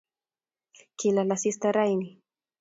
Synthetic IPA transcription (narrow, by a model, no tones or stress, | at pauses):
kilalasist̪aɾajni